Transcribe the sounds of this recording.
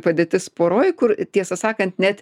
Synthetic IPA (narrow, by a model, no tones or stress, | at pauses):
pɐd̪ʲeːt̪ʲɪspoːɾoːjkʊɾt̪ʲiɛsɐsɑːkɐnt̪nʲɛt̪